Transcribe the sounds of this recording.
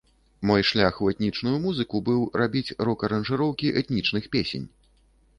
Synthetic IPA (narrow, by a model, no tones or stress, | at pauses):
mɔjʂlʲaxuɛt̪ʲnʲit͡ʂnujumuzɨkubɨwrabʲit͡sʲrɔkɐɾɐnʐɨɾɔwkʲiʔɛt̪nʲit͡ʂnɨxpʲesʲḛnʲ